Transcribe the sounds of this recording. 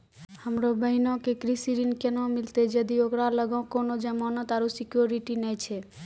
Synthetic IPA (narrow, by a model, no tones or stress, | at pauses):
həmɾobəɦinɔ̃kekɾisiɾinkenɔ̃milt̪ed͡ʒəd̪iokɾaləɡãkonod͡ʒamɔnɔt̪aɾusikjoɾiʈinɛjt͡ʃʰɛ